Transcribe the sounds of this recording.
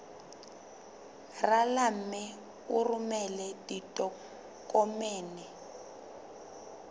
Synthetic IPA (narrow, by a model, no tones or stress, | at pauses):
ralam̩mɪ | urumɛlɛditʼɔ | kʼɔmɛːnɛ